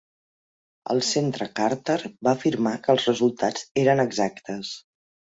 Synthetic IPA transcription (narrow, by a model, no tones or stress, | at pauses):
ə̰lˠsent̪ɾəkaɾt̪əɾbaːfiɾmakəlˠzrəzulˠt̪ḁd͡zeɾənəɡzakt̪əs